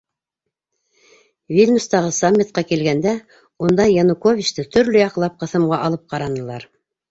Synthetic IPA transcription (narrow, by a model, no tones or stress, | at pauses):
vʲilʲnust̪ɑʁɤsamʲːit̪̚qɑkilɡænd̪æ | und̪ɑjɑnukovʲit͡ʃt̪ɤt̪ʰɵ̆ɾlɵjɑqlˠɑp̚qɤ̆θɤ̆mʁɑʔɑlˠɤp̚qɑɾɑnɤ̆lˠɑɾ